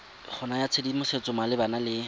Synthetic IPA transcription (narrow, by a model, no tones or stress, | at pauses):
χʰʊnajat͡sʰedimʊset͡sʊmalɪbanalɪ